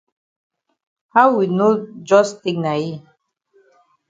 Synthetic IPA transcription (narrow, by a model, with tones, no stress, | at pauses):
ha˦wwi˨nu˦d͡ʒɔ˦st̪i˦˨kna˨i˦